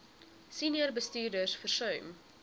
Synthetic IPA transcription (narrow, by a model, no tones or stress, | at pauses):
siniərbəstyːrdərsfərsœɥm